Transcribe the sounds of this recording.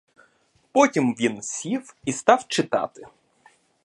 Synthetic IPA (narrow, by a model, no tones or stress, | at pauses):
pɔtʲimʋʲinsʲiwist̪ɑwt͡ʃɪt̪ɑ̰t̪ɪ